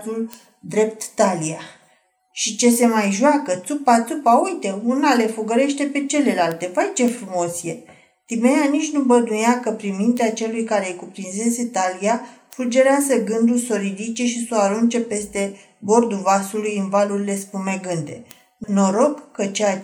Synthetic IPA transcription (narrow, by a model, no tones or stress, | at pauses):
ul | d̪ɾe̞p̚t̪ːalia | ʃit͡ʃe̞se̞majʒwakət̪supat̪supaujt̪e̞unale̞foɡəɾe̞ʃt̪e̞pe̞t͡ʃe̞le̞lalt̪e̞vajt͡ʃe̞fɾumo̞sje̞ | t̪imeanit͡ʃʲnubəd̪ujakəpɾinmint̪eat͡ʃe̞lujkaɾe̞jkupɾinze̞se̞t̪aliafɾud͡ʒe̞ɾeazəɡɨnd̪ulso̞ɾid̪it͡ʃeʃisoaɾunt͡ʃe̞pe̞st̪e̞ | bo̞rd̪uvasulujɨnvaluɾile̞spume̞ɡɨnd̪e̞̰ | no̞ɾo̞ɡkːət͡ʃea